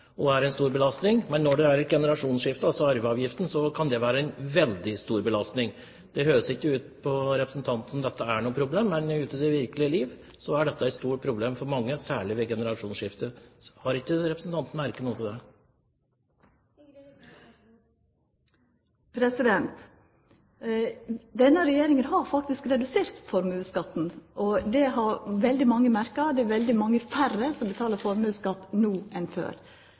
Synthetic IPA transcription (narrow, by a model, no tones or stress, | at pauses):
ɔæɾɛɪnst̪uːɾbəlɑst̪nɪŋmɛnːɔɖɛæɾɡɛnəɾɑʂuːnsʂɪft̪əɑlsɔɑɾʋəɑːʋjɪft̪n̩sɔkʰɑnd̪ɛʋæːɾəæɛnʋɛld̪ɪst̪uːɾbəlɑst̪nɪŋ | d̪̥ɛhøːəsɪkːəʉːt̪̚pʰɔɾɛpɾəsn̩t̪ʰɑnt̪n̩ɔmd̪ɛt̪ːəæɳuːəpʰɾʊbleːmːɛnʉːt̪ɪd̪ɛʋɪɾkəlɪəliːʋ | sɔæɖɛt̪ːəɛt̪st̪uːʈ̚pʰɾʊbleːmfɔɾmɑŋːəsæːɭɪʋɛɡɛnəɾɑʂuːnsʂɪft̪əhɑɾɪkːəɾɛpɾəsn̩t̪ʰɑnt̪n̩mæɾkənuːəɪd̪ɛ | pʰɾɛsɪd̪ɛnt̪ | d̪ɛnːəɾɛjeːɾɪŋənɦɑɾfɑk̚t̪ɪskɾɛd̪ʉseːɾt̪fɔɾməʉːskɑt̪ːn̩ʔɔd̪ɛɦɑɾʋɛld̪ɪmɑŋːəmæɾkəɑd̪ɛːʋɛld̪ɪmɑŋːəfærəsɔmbət̪ʰɑːləɾfɔɾmʉːskɑt̪ːnuːʔɛnfø̰ːɾ